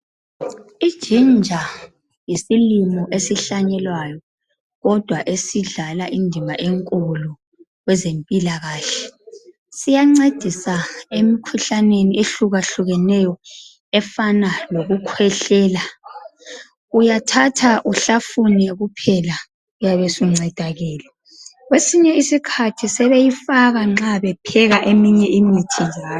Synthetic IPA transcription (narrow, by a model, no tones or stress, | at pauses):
id̥ʒ̥ʱind͡ʒʱa | jisilimɔʔesiɬaɲɛlwajɔ | ɣɔd̥ʱwaʔesiɮalaʔindʱimaʔeŋkʼulu | ɣwɛzempʼilaɣaːɬɛ | sijaŋ͡ǀed̥ʱisaemikʰuɬanenieɬuɣaɬuɣɛnɛjɔ | ɛfanaloɣukʰwɛɬɛːla | ujatʰatʰaʔuɬafunɛɣupʰɛla | ujaβɛsuŋ͡ǀɛd̥ʱaɣɛːlɛ | ɣwesiɲɛisikʰatʰisɛβejifaɣaŋ͡ǁaβɛpʰɛɣaʔemiɲɛʔimitʰiaː